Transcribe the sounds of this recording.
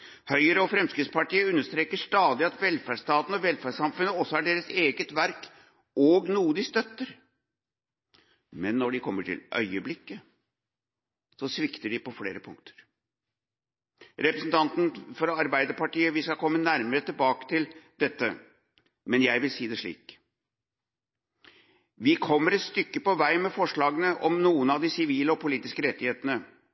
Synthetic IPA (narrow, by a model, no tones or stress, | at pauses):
hœʏəɾəɔfɾɛmskɾɪtspɑʈiːəʉnːəʂt̪ɾeːkəʂt̪ɑːd̪ɪɑt̪ʋɛlfæʂt̪ɑːt̪n̩ɔʋɛlfæʂɑmfʉnːəɔsːɔhæɖeːɾəseːɡət̪ʋæɾk | ɔɡnuːd̪ɪst̪œt̪ːəɾ | mɛnːɔɖɪkʰɔmːəʈʰɪ̰lʔœ̰ʏəblɪkːə | sɔsʋɪkt̪əɖɪpɔfleːɾəpʰʊŋkt̪ʰə̥ɾ | ɾɛpɾəsn̩t̪ʰɑnt̪n̩fɔɾɑɾbæɪd̪əɾpɑʈiːəʋɪskɑkʰɔmːənæɾməɾət̪ɪlbɑːkə̥t̪ʰɪld̪̥ɛt̪ːə̰ | mɛnjæɪʋɪlsiːd̪ɛʂɭḭːk | ʋɪkʰɔmːəɾɛt̪st̪ʏkːəpɔʋæɪmɛfɔʂɭɑːɡənəʔɔmnuːənɑʋd̪ɪsɪʋiːləɔpʰʊliːt̪ɪskəɾɛt̪ːɪheːt̪ənə